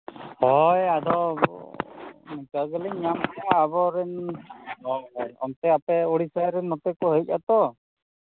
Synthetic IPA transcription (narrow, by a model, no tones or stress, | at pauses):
hɔjad̪ɔ | nɛkaɡɛlɛɲɲamtɛaːbɔɾɛn | ɔ̰mt̪ɛapɛoɽisajɾɛnmɔt̪ɛkɔɦəjc̚ˀa̰t̪ɔ